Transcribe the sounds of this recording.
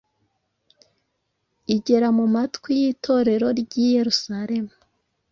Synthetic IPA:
iɟe̞ɾamumatwijitʰo̞ɾe̞ɾo̞ɾɟije̞ɾusaɾe̞mu

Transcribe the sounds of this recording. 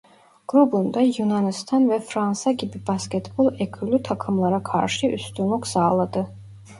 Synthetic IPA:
ɡ̥ɾubˠund̪ajunanist̪ʰanvɛfɾansaɟibibascʲɛt̪bulˠɛkʰylʲyt̪ʰakʰɯmlˠaɾakʰa̰ɾʃɯʔyst̪ʰynlˠuksaːlˠad̪ɯ

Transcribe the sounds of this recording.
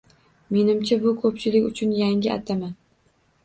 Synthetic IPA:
me̞nɪmt͡ʃʰabʊkʰɵpt͡ʃʰɪlɪkʲʊt͡ʃʰʊnjaŋʲɪʔa̰t̪ʰaman

